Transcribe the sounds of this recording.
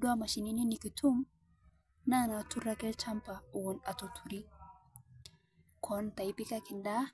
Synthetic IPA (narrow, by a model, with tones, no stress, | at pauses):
du˦a˦ma˨ʃi˨ni˦ni˦ni˨ki˨t̪ʰu˦m | na˦na˨t̪u˦ɾa˦kɛ˦lt͡ʃa˦mpa˨u˨wʊ˨na˨t̪ɔt̪ʰu˨ɾi˦ | kʰɔnt̪a˨jpi˦ka˦kɪ˨nda˦